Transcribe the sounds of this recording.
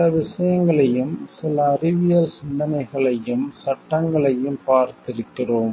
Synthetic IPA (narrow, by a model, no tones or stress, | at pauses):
lɐʋɪʂɐjɐŋɡɐɭɐjɯmsɪlɐːrɪʋɪjɐlsɪnd̪ɐnɐɪɣɐɭɐjɯmsɐʈːɐŋɡɐɭɐjɯmpaːɾt̪ɪɾɯkːɪroːm